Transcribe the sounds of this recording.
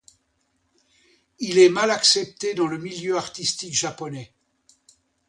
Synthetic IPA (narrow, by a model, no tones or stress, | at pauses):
ilɛmalaksɛp̚t̪ed̪ɑ̃ləmiljøaʁt̪ist̪ikʒapɔnɛ